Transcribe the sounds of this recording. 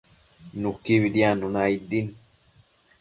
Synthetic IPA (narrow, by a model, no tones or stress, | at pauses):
nukːiβidianunaidin